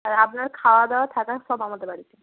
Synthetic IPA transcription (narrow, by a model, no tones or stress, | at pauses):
aɹapunaɹkʰawad̪ɔt̪ʰakasɔbamɔt̪ɛbaɽiti